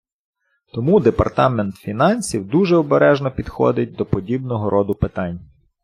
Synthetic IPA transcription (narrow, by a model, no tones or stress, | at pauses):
t̪ɔmud̪epɐ̰rt̪ɑment̪fʲinɑnʲsʲiwd̪uʒɛɔbeɾɛʒnɔpʲid̪xɔ̰d̪ɪt̚ʲd̪ɔpɔdʲibnɔɦɔɾʔɔd̪ʊpɪt̪ɑnʲ